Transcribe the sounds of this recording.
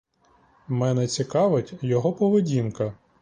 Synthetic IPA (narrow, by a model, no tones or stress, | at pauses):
mɛnɛt͡sʲikɑʋɪtʲjɔɦɔpɔʋedʲinkɐ